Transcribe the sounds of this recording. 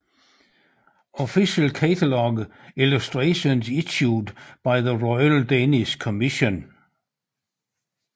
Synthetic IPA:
ɔfiʃəlkʰætʰəlɔɡ | ɪlustɹeɪʃə̃nzɪʃudb̥aɪðəɹɔɪəldeniskʰɔmɪʃə̃n

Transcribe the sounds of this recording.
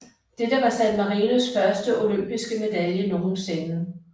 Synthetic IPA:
d̥ed̥əʋɑ̈sænd̥mɑ̈ʁiːnusfɶɐsd̥əʔo̝løm̰b̥isɡ̥əme̝d̥æljənoːmsenð̩ˠ

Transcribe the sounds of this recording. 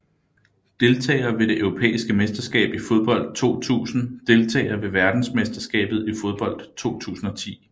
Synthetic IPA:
d̥e̝lt͡sʰɛ̰ːɪɐʋe̝ɾe̝ʔøʊʁo̝pʰḛːisɡ̥əmesd̥ɐsɡ̥ɛ̰ːb̥ifo̝ð̞ˠb̥ɒ̽l̰d̥̚t͡sʰo̝̰ːt͡sʰṵːsn̩d̥e̝lt͡sʰɛ̰ːɪɐʋe̝ʋæɐd̥n̩smesd̥ɐsɡ̥ɛ̰ːb̥ð̩ˠifo̝ð̞ˠb̥ɒ̽l̰d̥t͡sʰo̝̰ːt͡sʰṵːsn̩ɒ̽t͡sʰḭː

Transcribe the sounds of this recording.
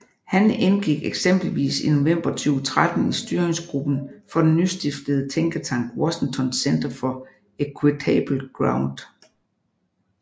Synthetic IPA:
hænenɡ̥iɡ̥eɡ̥sem̰b̥l̩ʋḭːsino̝ʋem̰b̥ɐt͡sʰyːʊt͡sʰʁad̥n̩isd̥yɐeŋsɡ̥ʁub̥n̩fɒ̽d̥en̩ːysd̥ifd̥əð̩ˠət͡sʰeŋɡ̥ɐt͡sʰɑ̈ŋ̰ɡ̥wɒ̽ɕeŋt͡sʰɒ̽nsend̥ɐfɒ̽ | ekʰwet͡sʰɛb̥l̩ɡ̥ʁɑ̈ʊnd̥

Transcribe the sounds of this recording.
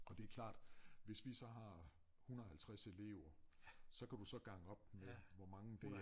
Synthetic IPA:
ʔɒ̽d̥e̝æɐkʰlɑ̰̈ːd̥ʋe̝sʋisɒ̽ɦɑ̈ | hunɐð̩ˠhælt͡sʰʁase̝le̝ʊɐsɒ̽kʰæd̥usɒ̽ɡ̥ɑ̈ŋəɒ̽b̥̚meʋɒmɑ̈ŋəd̥e

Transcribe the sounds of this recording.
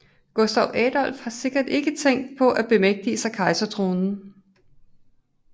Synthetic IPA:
ɡ̥osd̥ɒʊʔɛːd̥ɒ̽l̰fhɑ̈se̝ɡ̥ɐd̥e̝ɡ̥ət͡sʰeŋ̰d̥pʰɒ̽ʔæb̥e̝meɡ̥̚d̥iəsɑ̈ɪkʰɑ̈ɪsɐt͡sʰʁoːnn̩

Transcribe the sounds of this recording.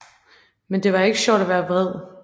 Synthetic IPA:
mend̥e̝ʋɑ̈e̝ɡ̥ə̥ɕɒ̰ːd̥æʋæːɐʋʁɛð̞̰ˠ

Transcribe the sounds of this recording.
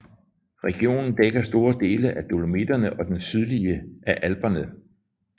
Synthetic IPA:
ʁɛɡ̥io̝̰ːnn̩d̥eɡ̥ɐsd̥o̝ːɐd̥e̝ːləʔæd̥o̝lomed̥ɐnəʔɒ̽d̥ensyð̞ˠliəæʔælb̥ɐnə

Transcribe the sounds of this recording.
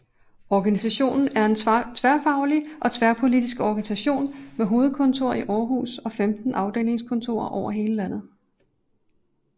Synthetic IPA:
ɒɡ̥ænisæɕo̝̰ːnn̩æɐe̝nt͡sʰʋæɐfɑ̈ʊliʔɒ̽t͡sʰʋæɐpʰo̝lid̥isɡ̥ɒɡ̥ænisæɕo̝̰ːnmeɦo̝ːð̩ˠkʰɔ̽nt͡sʰo̝ɐ̰iʔɒːɦṵːsɒ̽femd̥n̩ʔɑ̈ʊd̥e̝̰ːle̝ŋskʰɔ̽nt͡sʰo̝̰ːɐʔɒʊ̰ɐɦe̝ːləlæn̰ð̞̩ˠ

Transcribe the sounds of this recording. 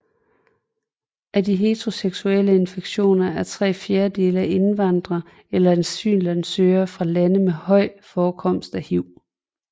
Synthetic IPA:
ʔædiɦe̝t͡sʰʁo̝seɡ̥suel̰əe̝nfeɡ̥ɕo̝̰ːnɐæɐt͡sʰʁɛ̰ːfjeːɐde̝ːləæʔe̝nʋɑ̈n̰d̥ʁɐ | elɐensy̰ːnlænsøːɐfʁɑ̈lænəmehɒ̽ɪ̰fɒːkʰɒ̽m̰sd̥æhiʊ̰

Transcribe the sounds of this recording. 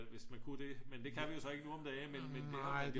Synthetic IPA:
ʋe̝smænkʰud̥e̝mend̥e̝kʰæʋijo̝sɒ̽e̝ɡənuɒ̽md̥emenmend̥eɑd̥

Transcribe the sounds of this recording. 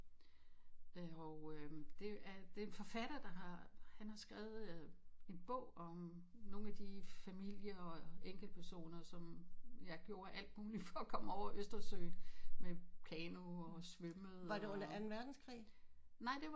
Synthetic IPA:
ɒd̥e̝æd̥e̝nfɒ̽fæɾ̥ɐd̥ɑ̈ɦɑ̈hænhɑ̈sɡ̥ʁɛːʊð̩ˠe̝nb̥ɔ̰ʊ̰ɒ̽m | no̝ːn̩æd̥ifæmil̰jɐɒ̽eŋ̰ɡ̥l̩dpʰæɐso̝̰ːnɐsɒ̽mjɑ̈ɪɡ̥jo̝ːɐʔæl̰d̥muːlifɒ̽kʰɒ̽m̰ɒʊ̰ɐʔøsd̥ɐsø̰ɪnmekʰɛnoɒ̽sʋøməð̩ˠʋɑ̈d̥eɔnɐʔænn̩ʋæɐd̥n̩skʰʁḭːnɑɪ̰d̥e̝

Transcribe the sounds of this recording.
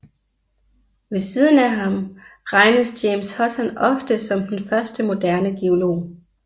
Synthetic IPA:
ʋe̝siːð̞ˠn̩æɦɑ̈mʁɑ̈ɪnəsjeːmshɒ̽sænɒ̽fd̥əsɒ̽md̥enfɶɐsd̥əmo̝d̥æɐnəɡ̥eo̝lo̝̰ː

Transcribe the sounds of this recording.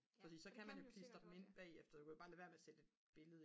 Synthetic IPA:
fɒ̽siːsɒ̽kʰæmænjo̝kʰlisd̥ɐd̥m̩e̝n̰b̥ɛ̰ːefd̥ɐd̥ukʰæb̥ɑ̈ːlæʋæɐmeæsed̥əe̝d̥b̥e̝ləðˠ

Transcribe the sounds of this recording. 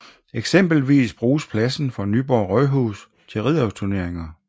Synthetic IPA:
eɡ̥sem̰b̥l̩ʋḭːsb̥ʁuːspʰlæsn̩fɒ̈nyːb̥ɒːʁœɦṵs | t͡sʰe̝lʁið̰ˠɒʊst͡sʰuɐne̝ɐ̰eŋɐ

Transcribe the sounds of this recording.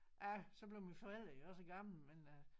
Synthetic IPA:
ʔæsɒ̽b̥leʊminfɒ̽el̰d̥ɐjoɒ̽səɡ̥ɑ̈ml̩men

